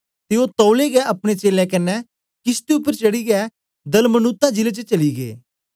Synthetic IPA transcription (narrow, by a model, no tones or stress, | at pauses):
t̪eoːt̪ɔːʊleɡɛʔɐpɽ̃et͡ʃeːlɛ̃kɐnːɛ | kɪst̪eʊpːəɾt͡ʃɐɽiɡɛ | d̪ɐlmənʊt̪ːãd͡ʒɪlet͡ʃət͡ʃɐliɡḛː